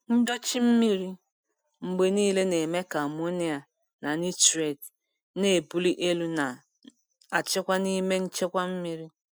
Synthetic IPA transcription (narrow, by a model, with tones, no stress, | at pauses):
n̩˦dɔ˦t͡ʃi˦m̩˦mi˦ɾi˦ | ŋ͡m̩˨ɡ͡be˨niː˦le˦ne˨me˦ka˨mo˦ni˦a˨ | na˨ni˦te˨d | ne˨bu˦li˦ʔe˦lu˦na˨ | a˨t͡ʃe˦kʷa˦ni˦me˦n̩˦t͡ʃe˦kʷa˦m̩˦mi˦ɾi˦